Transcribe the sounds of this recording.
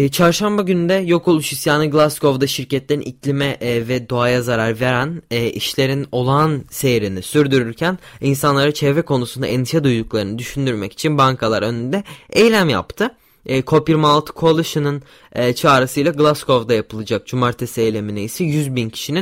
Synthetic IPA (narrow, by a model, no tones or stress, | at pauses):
t͡ʃʰaɾʃambaɟynyd̪ɛjo̞kʰo̞lˠuʃisjaːnɯɡlˠasko̞vd̪aʃiɾcɛt̪lʲeɾḭniclʲimɛʔvɛd̪o̞ajazaɾaɾve̞ɾænːʔiʃlʲe̞ɾino̞lˠanse̞jiɾinisyɾd̪yɾyɾcʰæninsanlˠaɾɯt͡ʃʰɛvɾɛkʰo̞nusund̪a̰ʔɛnd̪iʃad̪ujd̪uklˠaɾɯnɯd̪yʃynd̪yɾmɛci̥t͡ʃʰinbaŋkʰalˠa̰ɾø̞nynd̪ɛejlʲæmja̰pt̪ʰɯː | kʰo̞piɾmalˠt̪kʰolˠɯʃɯnɯnː | t͡ʃʰaːɾɯsɯjlˠaɡlˠasko̞vd̪ajapʰɯlˠɯd͡ʒak̚d͡ʒumaɾt̪ʰesiejlʲeminiisɛjyzbincʰi̥ʃinin